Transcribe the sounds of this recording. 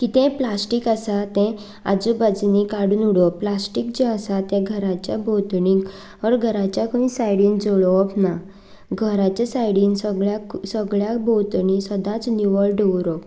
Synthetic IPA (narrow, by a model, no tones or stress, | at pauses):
kit̪ɛ̃plasʈikasat̪ɛ̃ | a̰d͡zubad͡znĩkaɽuːnuɽɔplasʈik̚d͡ʑeasat̪ẽɡʱəɾat͡ɕjabʱot̪ɳĩk | əɾɡʱəɾat͡ɕjakəʋĩsajɽĩːnd͡zoɭɔɔpna | ɡʱəɾat͡ɕasajɽiːnsəɡɭjaksəɡɭjabot̪ɳ̃ĩsəd̪ãt͡snjuʋəlɖeʋɾɔp